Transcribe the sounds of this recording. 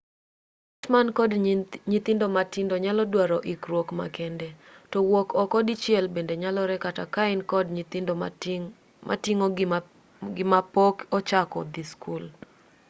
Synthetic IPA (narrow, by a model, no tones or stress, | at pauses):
ɔtmankɔdɲit̪ɪndomatɪndɔɲalɔdwaɾɔʔikɾwɔkma̰kɛndɛtɔwɔkɔkɔdit͡ʃjɛlbendeɲalɔɾɛkatakaɪnkɔdɲtd | mʔa̰tiŋo | ɡɪmapɔkɔt͡ʃakɔ̰d̪iskul